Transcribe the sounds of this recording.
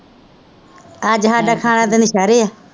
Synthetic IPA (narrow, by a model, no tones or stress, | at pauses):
aːd͡ʒɦaːɖaːkʰaːɽ̃ãːd̪enɪʃaːɾeːaː